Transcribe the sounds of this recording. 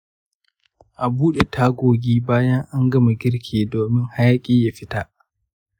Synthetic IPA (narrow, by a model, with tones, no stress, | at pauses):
ʔa˨buː˦ɗe˨tʰaː˦ɡʷoː˨ɡʲiː˦baː˦jɐ˦ŋʔa˦ŋɡɐ˦ma˨ɡʲɪ˦ɽkʲʰeː˨doː˨mɪ˦ŋha˦jaː˦kʲʼiː˦ja˨ɸɪ˦ta˨ʔ